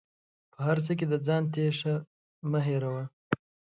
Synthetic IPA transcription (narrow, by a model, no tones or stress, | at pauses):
pəɦaɾt͡sək̬ed̪əd͡zɑːnt̪eʂa | məɦeɾawa